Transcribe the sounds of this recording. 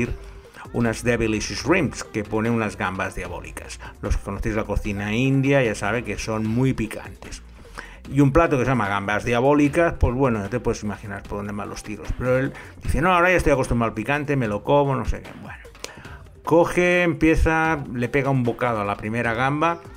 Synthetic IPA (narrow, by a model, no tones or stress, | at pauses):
iɾ | ṵnazðeβilisisrimske̞poneunazɣambazðjaβo̞̰lḭkaslo̞skeko̞noθejzlako̞θinaind̪jaʝasaβ̞ekeso̞nmujpika̰nt̪e̞s | iumplat̪okesjamaɣambazðjaβolikaspezβwenojat̪epweðesimaxina̰ɾpoɾðond̪ema̰lo̞st̪iɾo̞speɾoeld̪iθenoaoɾajaest̪ojako̞st̪umbɾalpikant̪e̞melo̞ko̞βonosḛkḛbweno | koxeːmpje̞θale̞pe̞ɣaumbo̞kaðoalapɾimeɾaɣ̞amba